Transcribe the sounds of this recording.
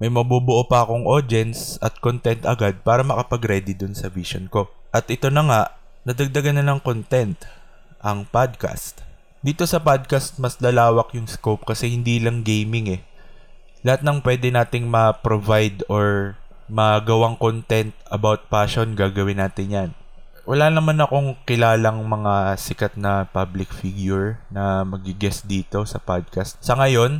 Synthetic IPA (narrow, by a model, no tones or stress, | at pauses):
mɐjmɐbuːbʊʔoːpɐːko̞ŋʔod̪ɛnsʔɐt̪̚kont̪ɛnt̪ʔɐ̰ɡad̪̚paːɾɐmɐkɐpɐɡɾɛːd̪id̪ʊnsɐviʃonko̞ʔɐt̪ʔɛt̪o̞nɐŋaʔ | nɐd̪ɐɡ̚d̪ɐɡanɐnɐŋkont̪ɛnt̪ | ʔɐŋpad̪̚ka̰st̪̚ | d̪iːt̪o̞sɐpad̪̚kast̪̚mɐslɐlaːwɐkjʊŋskop̚kɐsɛhɪnd̪iːlɐŋɡejmɪŋɛ | lɐhat̪̚nɐŋpwɛd̪ɛnaːt̪ɪŋmɐpɾovajd̪o̞ɹ | mɐɡɐwaŋkont̪ɛnt̪̚ɐbawt̪̚paʃo̞nɡaːɡɐwɪnːaːt̪ɪnjan | wɐlaːnɐmanɐko̞ŋkɪlaːlɐŋmɐŋasɪkɐt̪̚nɐpablɪkfiɡjʊɹnɐmɐɡ̚ɪɡɛsd̪iːt̪o̞sɐpad̪̚kɐst̪̚sɐŋɐjo̞n